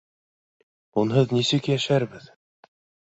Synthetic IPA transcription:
unɦɤðnisɘkjæʃæɾbɘð

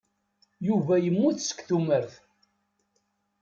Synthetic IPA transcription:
juvæjəmːuθsə̥kθuməɾθ

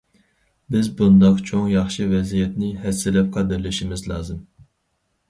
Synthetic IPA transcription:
bɪzbund̪ɑqt͡ʃʰoŋjɑχʃɨvɛzijɛt̪nɪɦɛsːɪlɛp̚qʰɑd̪ɪɾlɪʃimɪzlˠɑːzɨm

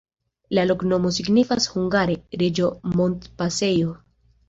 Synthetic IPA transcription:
lalo̞kno̞mo̞siɡnifashuŋɡaɾe̞ɾed͡ʒo̞mo̞nt̪pase̞jo

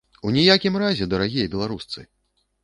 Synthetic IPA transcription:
unʲijakʲimɾazʲɛd̪ɐɾaɣʲijɐbʲɛlˠaɾust̪sɨ̰

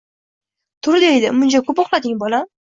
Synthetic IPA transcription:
t̪ʰʊɾɪd̪ejd̪ɪmʊnt͡ʃʰakʰopɒχlad̪ɪŋbɒla

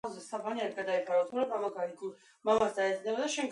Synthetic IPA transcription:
zɛsabaniaɾiɡad̪aipʰɾavat̪ʰuɾabamaɡaiɡi | mamasd̪aɛd̪znɛbad̪aʃɛŋɡ

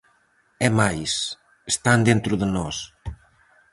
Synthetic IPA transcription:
ɛmajs | əst̪and̪ent̪ɾuðənɔs

